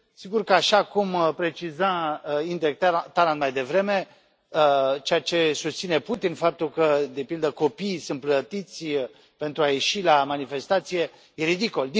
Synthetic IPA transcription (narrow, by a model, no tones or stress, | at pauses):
siɡurkəaʃakumpɾe̞t͡ʃizaind̪ek̚t̪at̪alant̪̚majd̪e̞vɾe̞me̞ | ət͡ʃejat͡ʃe̞sust̪sine̞put̪infap̚t̪ulkəd̪e̞pild̪əko̞piːsɨnt̪̚plət̪it̪sʲ | pe̞nt̪ɾuaje̞ʃilamanife̞st̪at̪sije̞ | jeɾid̪ikold̪i